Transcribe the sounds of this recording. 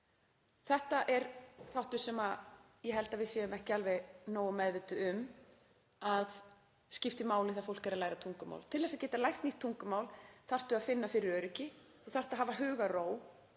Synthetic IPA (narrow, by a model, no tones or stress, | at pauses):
θɛht̪aʔɛɾθawht̪ʏ̥sɛma | jɛɦɛlt̪avɪðsjɛːʏmɛhcɪalvɛɣnoːwʏmɛðvɪt̪ʏʏm | að | scɪft̪ɪmaːwlɪθafowl̥cɛɾalaːjɾat̪ʰuŋkʏma̰wlt̪ʰɪlɛsacɛːt̪alajht̪niht̪ʰːuŋkʏmaːwlθar̥t̪ʏaðfɪnːafɪɾɪɾœːɾɪcɪ | ɔθar̥t̪aɦavaɦʏːɣaroːw